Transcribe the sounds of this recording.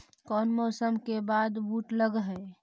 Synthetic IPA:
kɔːnmɔːsəmkebaːd̪buːʈləɡɦɛ

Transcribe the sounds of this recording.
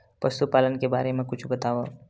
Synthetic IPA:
ʋɐst̪upaːlənkebaːɾemẽkʊt͡ʃʰbɐt̪aːʋo

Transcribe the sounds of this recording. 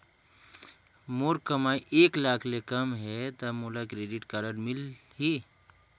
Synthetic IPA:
moːɾkəmaːiʔeːklaːkʰlekɐmɦɛt̪ɐmoːlakɾeːɖɪʈkaɾəɾmɪlɦiː

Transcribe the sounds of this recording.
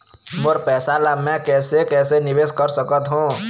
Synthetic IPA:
moɾpɛːsalamɛ̃kɛːsekɛːsenɪʋeskəɾsəkət̪ɦũ

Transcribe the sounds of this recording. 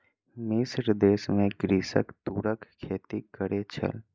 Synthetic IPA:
mɪsɾd̪eːsmẽɡɾiːsə̰kt̪uːɾəkkʰːeːt̪ikəɾet͡ʃʰə̰l

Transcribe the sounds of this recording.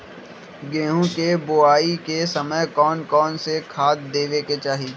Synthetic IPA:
ɡẽːɦũkeboaːikesɐməjkɔːnkɔːnsekʰaːt̪d̪eːʋeket͡ʃaːɦi

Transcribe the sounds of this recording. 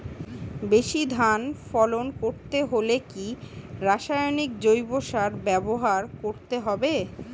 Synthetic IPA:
beʃid̪ʱanfɔlonkoɾt̪eɦolekiɾaʃajonikd͡ʑojboʃaɾbɛboɦaɾkoɾt̪eɦɔbe

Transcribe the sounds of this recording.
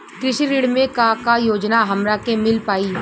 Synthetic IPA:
kɾɪʃiɾiːɽmẽkakajoːd͡ʒnaɦɐmɾakemɪlpaːi

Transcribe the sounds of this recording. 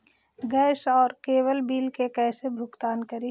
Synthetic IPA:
ɡɛːʃɔːɾkeːwəlbiːlkekɛːsebʱʊkt̪aːnkəɾi

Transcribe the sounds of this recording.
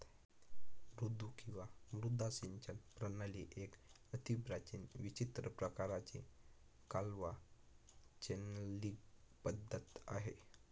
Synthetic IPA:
ɾud̪ukĩw̃ʋamɾud̪ʱasiɲt͡ɕənpɾənaliʔek | ət̪ibɾat͡ɕinʋit͡ɕit̪ɾəpɾəkaɾat͡ɕe | kalʋa | t͡ɕenəliːɡ̚pəd̪ʱːət̪a̰ɦe

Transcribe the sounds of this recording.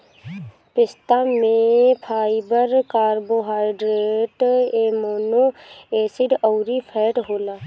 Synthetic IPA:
pɪst̪amẽpʰaːɪbəɾkaːɾboɦaːɪɖɾeːʈemoːnoeːsiɖəʊɾipʰɛːʈɦoːlaː

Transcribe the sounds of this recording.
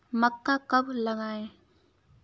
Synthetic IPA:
mɐkːakɐp̚laŋaj

